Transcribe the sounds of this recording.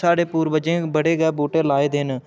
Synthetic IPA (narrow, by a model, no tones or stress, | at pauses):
aːɽeːpuːɾbəd͡ʒẽːbəɽeːɡɛːbuːʈeːlaːeːd̪en